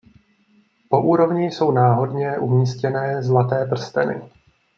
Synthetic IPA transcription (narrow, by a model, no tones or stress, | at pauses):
po̞ʔuːɾo̞vɲɪjso̞wnaːɦo̞dɲɛʔumɲiːscɛnɛːzlat̪ɛːp̬r̩st̪ɛnɪ̰